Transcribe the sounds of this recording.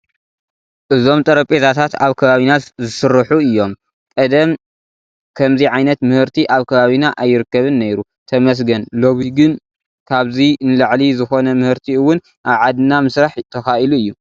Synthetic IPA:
ʔɨzo̞mt̪ʼɐɾɐpʼet̪ʰat̪ʰat̪aβkʰɐβaβinat̪zɨsɨɾːɨħuɨjːo̞m | kʼɐd̪ɐm | kʰɐmziʕajnɐt̪mɨhɨɾt̪ʰiʔaβkʰɐβaβinaʔajːɪɾɨkːɐβɨnːejɾu | t̪ʰɐmɐs̬ɡɐnlo̞βiɡɨn | kʰaβzinɨlaʕlizɨxo̞nɐmɨhɨɾt̪ʰiɨwːʊn | ʔaβʕad̪ɨnamɨsɾaħt̪ʰɐxaʔiluɨjːu

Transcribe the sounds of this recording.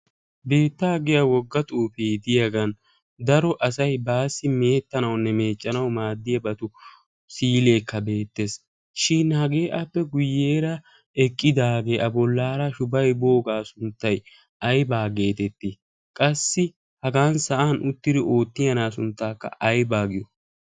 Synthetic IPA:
be̞ːt̪ːaːɡɪjɐwɔɡːɐt̪ʼuːfejd̪ɪjɐɡɐn | d̪ɐɾɔʔɐsɐjbaːsːɪme̞ːt̪ːɐnɐwnːɛme̞ːt͡ʃʼːɐnɐwmaːd̪ːɪjɐbɐt̪ʊ | siːle̞ːkːɐbe̞ːt̪ːe̞s | ʃinhɐɡe̞ːʔɐpːɛɡʊjːeːɾɐ | ɛkʼːɪd̪aːɡe̞ːʔɐbɔlːaːɾɐʃʊbɐjbo̞ːɡaːsʊnt̪ːɐj | ɐjbaːɡe̞ːt̪ɛt̪ːɪ | kʼɐsːɪ | hɐɡaːnsɐʔaːnʔʊt̪ːɪd̪ɪo̞ːt̪ːɪjɐnaːsʊnt̪ːaːkːɐ̰ʔɐjbaːɡɪjɔ

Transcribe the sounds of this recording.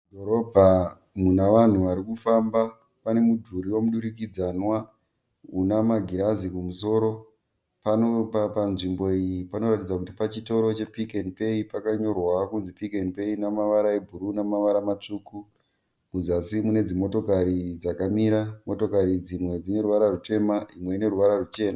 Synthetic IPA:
dʱoɾobʱa | munaʋan̤uʋaɾikufamba | pane̞mudʱuɾiwo̞muɗuɾik̬id͡zanwa | unamaɡʱiɾazikumuso̞ːɾo̞ | panopapanʐimbo̞ijipano̞ratid͡zakutipat͡ʃito̞ɾo̞t͡ʃe̞pikenipe̞ipakaɲo̞rwakunzipikenipe̞inamaʋaɾaebʱuɾunamaʋaɾamat͡ʂuku | kuzasimune̞d͡zimo̞to̞kaɾid͡zakamiɾamo̞to̞kaɾid͡zimwe̞d͡zine̞ɾuʋaɾarute̞maimwe̞ine̞ɾuʋaɾarut͡ʃe̞ːna

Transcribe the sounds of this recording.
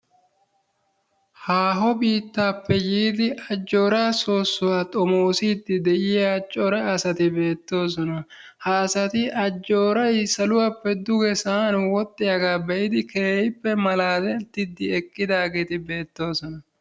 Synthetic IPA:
haːɦɔbiːt̪ːaːpːɛjiːd̪ɪɐd͡ʒːo̞ːɾaːso̞ːsːʊwaːt̪ʼɔmo̞ːsiːd̪ːɪd̪ɛʔɪjat͡ʃʼːɔɾɐɐsɐt̪ɪbe̞ːt̪ːo̞ːs̬ɔnɐ | hɐːsɐt̪ɪʔɐd͡ʒːo̞ːɾɐjsɐlʊwapːɛd̪ʊɡɛsaːnwɔt̪ʼːɪjɐɡaːbɛʔɪd̪ɪkeːɪpːɛmɐlaːd̪ɛt̪ːɪd̪ːɪɛkʼːɪd̪aːɡeːt̪ɪbe̞ːt̪ːo̞ːsɔnɐ

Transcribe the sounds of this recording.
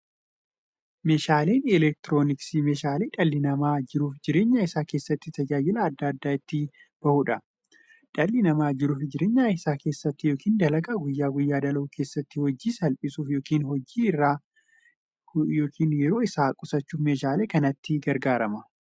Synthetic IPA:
me̞ːʃaːle̞ːnɛlɛk̚t̪ɪɾo̞ːnɪksimeːʃaːleːᶑɐlːɪnɐmaːd͡ʒɪɾuːfd͡ʒɪɾe̞ːɲːaːɪsaːke̞ːsːɐt̪ːɪt̪ɐd͡ʒaːjɪlɐːd̪ːɐːd̪ːaːɪt̪ːɪ | b̥ɐhuːᶑɐ | ᶑɐlːɪnɐmaːd͡ʒɪɾuːfd͡ʒɪɾe̞ːɲːaːɪsaːke̞ːsːɐt̪ːɪjo̞ːkʰiːnd̪ɐlɐɡaːɡʊjːaːɡʊjːaːd̪ɐlɐʔukʰe̞ːsːɐt̪ːɪhɔd͡ʒːiːsɐlpʼɪsuːfjoːkiːnhɔd͡ʒiːɪrːaː | jo̞ːkʰiːnjɛɾo̞ːɪsaːkʼʊsɐt͡ʃːuːfmeːʃaːle̞ːkɐnɐt̪ːɪɡɐɾɡaːɾɐmɐ

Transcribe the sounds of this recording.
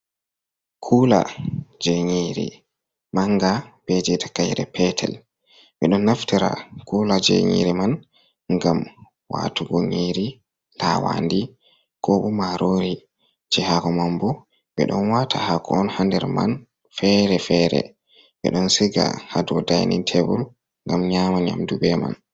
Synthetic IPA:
kʰuːla̰d͡ʒeɲiɾḭ | maŋɡab̥ɛd͡ʒɛtḁkajɾɛ̰pɛtʰɛ̰l | ɓɛɗɔnːaftiɾa̰kulad͡ʒḛɲḭɾiman | ŋɡam | wa̰tuɡoŋiɾi | lawa̰ndi | kɔɓɔmaɾoɾi | d͡ʒɛhaɡɔmambɔ | ɓɛ̰ɗɔnwatʰahakɔɔnhandɛɾman | fɛɾɛfɛɾɛ̰ | ɓɛ̰ɗɔnsiɡa̰hadɔdajnḭntʰebul | ŋɡamɲamaɲa̰mdubɛma̰n

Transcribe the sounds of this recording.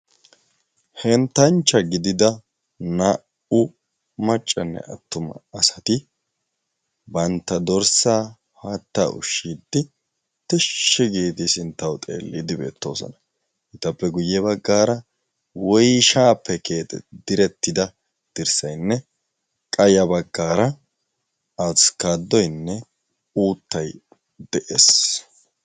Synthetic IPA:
hɛnt̪ɐnt͡ʃːɐɡɪd̪ɪd̪ɐ | na | ʊ | mɐt͡ʃʼːɐnːɛ̰ʔɐ̰t̪ːʊmɐ̰ɐsɐ̥t̪ɪ | bɐnt̪ːɐd̪ɔɾsaː | haːt̪ːa̰ːʔʊ̰ʃːiːd̪ːɪ | t̪ɛʃːɛɡiːt̪ɪsɪnt̪ːɐwt̪ʼḛːlːid̪ɪbe̞̰ːt̪ːo̞̰ːsɔ̰nɐ | ʔɪt̪ːɐpːɛɡʊjːɛbɐɡːaːɾɐ | wɔjʃaːpːɛke̞ːt̪ɛd̪ɪɾɛt̪ːɪd̪ɐ | d̪̥ɪɾsɐjnːɛ | kʼɐjɐbɐɡːaːɾɐ | ɐskaːd̪ːɔjnːɛ | uːt̪ːɐj | d̪ɛʔeːs

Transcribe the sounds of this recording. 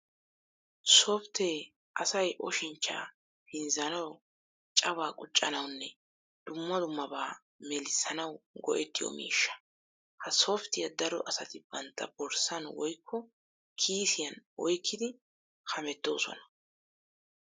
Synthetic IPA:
sɔft̪e | ʔɐsɐjʔɔ̰ʃɪnt͡ʃːa̰ː | hɪnzɐnɐw | t͡ʃʼɐβaːkʼʊt͡ʃʼːɐnɐwnːɛ | d̪̥ʊmːɐd̪ʊmːɐbaː | mɛlɪsɐnɐwɡɔ̰ʔɛt̪ːɪjɔ̰mḭːʃːɐ̥ | hɐsoft̪ɪjɐd̪ɐɾɔʔɐsɐt̪ɪb̥ɐnt̪ːɐ̰bɔɾsɐnwɔjkʰːɔ | kʰiːsɪjɐnɔjkʰːɪd̪ɪ | hɐmɛt̪ːo̞̰ːsɔ̰nɐ̥

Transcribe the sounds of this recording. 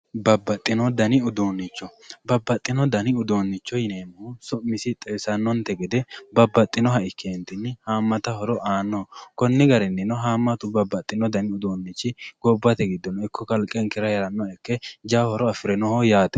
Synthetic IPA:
bɐbːɐt̪ʼːɪnɔd̪ɐnɪʊd̪oːnːɪt͡ʃːɔ | bɐbːɐt̪ʼːɪnɔd̪ɐnɪʊd̪oːnːɪt͡ʃːɔjɪneːmɐhʊsʊʔmɪsɪt̪ʼɛjsɐnːɔnt̪ɛɡɛd̪ɛbɐbːɐt̪ʼːɪnɔɦɐʔɪkʰːeːnt̪ɪnːɪhaːmːɐt̪ɐhɔɾɔʔaːnːɔkɔnːɪɡɐɾɛnːɪnɔɦaːmːɐt̪ʊbɐbːɐt̪ʼːɪnɔd̪ɐnɪʊd̪oːnːɪt͡ʃːɪɡ̥ɔbːɐt̪ɛɡɪd̪ːɔnɔɪkʰːɔkɐlkʼːɛŋkɪɾɐjɛɾɐnːɔɛkːɛd͡ʒaːhɔɾɔɐfɪɾɛnɔhɔjaːt̪ɛ

